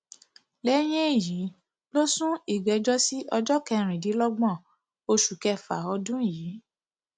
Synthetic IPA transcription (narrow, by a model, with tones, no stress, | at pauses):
lɛ˨˦j̃ɛ̃˦i˨ji˨˦ | lo˦sũ˦i˦˨ɡ͡bɛ˨˦d͡ʒɔ˦si˦ʔɔ˧d͡ʒɔ˦kɛ˧ɾ̃ĩ˨di˨˦lɔ˦ɡ͡bɔ̃˦˨ | o˧ʃu˨kɛ˧fa˨ɔ˧dũ˦i˦˨jiː˨˦